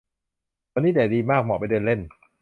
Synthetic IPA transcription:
ɔː˧nːiː˦˥dɛː˨˩˦diː˧maː˥˩k̚mɔ̰ː˨˩pa˧jdɤː˧nle˥˩n

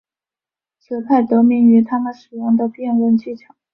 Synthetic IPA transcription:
t͡ɕʰjo˧˩ʊpʰa˥˩ɪt̪ɤ˧˥mi˧˥ny˧˥t̪ʰa˥mə˨nʂɻ̩˨˩jʊ˥˩ŋd̪ə˨pjɛ˥˧nɻə˥˧nt͡ɕʰi˥˩ʈ͡ʂʰɑ˨˩˦

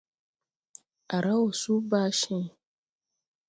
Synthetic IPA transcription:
a˨ɾa˦wo˨su˦baː˦ʃi˦ŋ

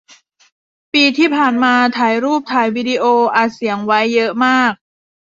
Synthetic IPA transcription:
piː˧t̪ʰiː˥˩pʰaː˨˩nmaː˧t̪ʰaː˩˦jɾuː˥˩p̚t̪ʰaː˩jwiː˦˥di˧ʔoː˧ʔaː˨˩si˩˦əŋwa˦˥jːɤ˦˥ʔmaː˥˩k̚

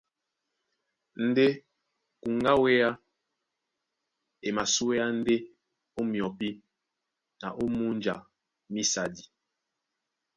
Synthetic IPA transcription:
n̩˦de˦ | ku˨ŋɡa˦we˦a˦ | e˨ma˨su˦we˦ja˦n̩˦de˦ | o˦mjɔ˨pi˦ | na˨ʔo˦mu˦n˦d͡ʒa˨ | mi˦sa˨di˨

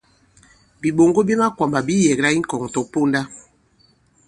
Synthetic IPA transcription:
bi˨ɓo˨ŋɡo˦be˦ma˦kwa˨mba˨bi˦jɛ˨ɡɾa˦i˦ŋ̩˦kɔ˨ŋ˨tɔ˨po˦nda˦

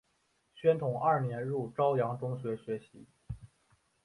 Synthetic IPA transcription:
ɕɥɛ˥nt̪ʰʊ˨˩˦ŋa˞˥˩njɛ˧˥nɻu˥˩ʈ͡ʂɑ˥ʊjɑ˧˥ŋʈ͡ʂʊ˥ŋɕɥɛ˧˥ɕɥɛ˧˥ɕḭ˧˥

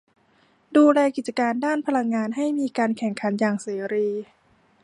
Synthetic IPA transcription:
duː˧lɛː˧ki˨˩t͡ɕa˧kaː˧ndaː˥˩npʰa˧la˧ŋːaː˧nɦa˥˩jmiː˧kaː˧nkʰɛ˨˩ŋkʰa˩˦njaː˨˩ŋseː˩˦ɾiː˧

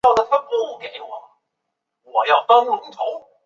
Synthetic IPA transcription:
ɑ˥˩ʊd̪ə˨˩t̪ʰa˥˩pɔ˥˩˨ke˨˩˦ɪwɔ˨˩˦ | wɔ˨˩˦jɑ˥˩ʊt̪a˥nlʊ˧˥t̪ʰo˧˥˦ʊ

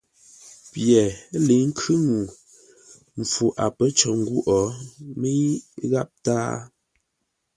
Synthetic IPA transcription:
pjɛ˨˦le˨˦ŋ̩˦kʰʉ˦ŋu˨ | m̩˨fu˨ʔa˨pə˦t͡ʃɔ˨ŋ̩˦ɡwu˦ʔɔ˨˦me˦i˦ɣa˦p̚taː˦

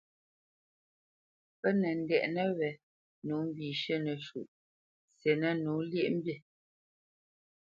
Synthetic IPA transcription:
pə˦nə˨n̩˦dɛ˨ʔnə˦wɛ˨ | nu˨˦m̩˦biː˨ʃə˦nə˨ʃṵ˨ʔ | sje˨nə˦nu˨˦lje˦ʔm̩˦bje˦˨

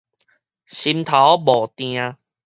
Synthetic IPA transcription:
ɕi˧mt̪ʰa˨˦wbɔ˨˩t̪j̃ã˧

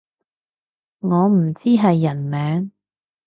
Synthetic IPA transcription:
ŋɔː˨˧m̩˨˩t͡siː˥ɦɐ˨jːɐ˨˩nmɛː˨˥ŋ

